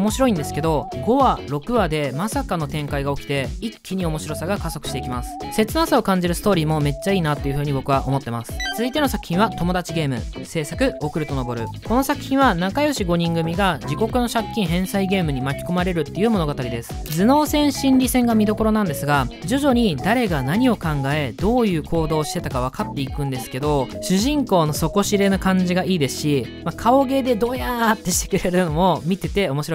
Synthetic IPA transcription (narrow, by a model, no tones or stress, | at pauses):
omo̞ɕiɾo̞ĩnd̪e̞sɨ̥ke̞d̪o̞ɡo̞βaɾo̞kɯ̟βad̪e̞masakano̞t̪ẽ̞ŋkaiɡao̞kʲi̥t̪e̞ikʲːiɲ̟io̞mo̞ɕiɾo̞saɡakaso̞kɯ̟̥ɕit̪e̞ikʲimasɨ̥se̞t͡sɨnasao̞kãɲ̟d͡ʑiɾɯsɨ̥t̪o̞ːɾʲiːmo̞me̞t͡ɕːaiːnat̪ːo̞jiɯ̟ɸɯ̟ːɲ̟ibo̞kɯ̟βaʔo̞mo̞t̪ːe̞masɨ̥t͡sɨzɨit̪e̞no̞sakɯ̟çʲĩɰ̃βat̪o̞mo̞d̪at͡ɕiɡe̞ːmɯ̟̰se̞ːsakɯ̟o̞kɯ̟ɾɯ̟t̪o̞no̞bo̞ɾɯ̟̰ko̞no̞sakɯ̟̥çʲĩɰ̃βanakajo̞ɕiɡo̞ɲ̟ĩŋɡɯ̟mʲiɡad͡ʑiko̞kɯ̟no̞ɕakʲːĩɰ̃ɦẽ̞ɰ̃saiɡe̞ːmɯ̟ɲ̟imakʲi̥ko̞maɾe̞ɾɯ̟t̪ːe̞jɯ̟ːmo̞no̞ɡat̪aɾʲid̪e̞sɨ̥d͡zɨno̞ːsẽ̞ɰ̃ɕĩɲɾʲisẽ̞ŋɡamʲid̪o̞ko̞ɾo̞nãnd̪e̞sɨɡad͡ʑo̞ʑo̞ɲ̟id̪aɾe̞ɡanaɲ̟io̞kãŋɡae̞d̪o̞ːjɯ̟ːkʰo̞ːd̪o̞ːɕi̥t̪e̞t̪akaβ̞akat̪ːe̞ikɯ̟̃nd̪e̞sɨ̥ke̞d̪o̞ɕɨʑĩŋko̞ːno̞so̞ko̞ɕiɾe̞nakãɲ̟d͡ʑiɡaiːd̪e̞sɨ̥ɕi | makʰao̞ɡe̞ːd̪e̞d̪o̞ːjat̪ːe̞ɕi̥t̪e̞̥kɯ̟ɾe̞ɾɯ̟no̞mo̞mʲit̪e̞t̪e̞o̞mo̞ɕiɾo̞i